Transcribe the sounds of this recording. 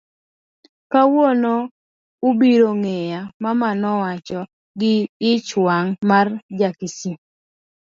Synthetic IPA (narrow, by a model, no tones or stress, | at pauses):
kawono | ubiɾoŋejamamanɔwat͡ʃɔ | ɡɪːt͡ʃwaŋmard͡ʒakisi